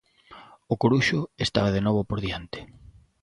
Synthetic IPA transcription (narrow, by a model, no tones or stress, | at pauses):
ʊkoɾuʃʊest̪a̰βaðenoβopoɾðiant̪ɪ̥